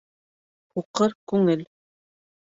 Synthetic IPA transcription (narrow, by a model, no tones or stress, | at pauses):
huqɤɾkʉŋɘl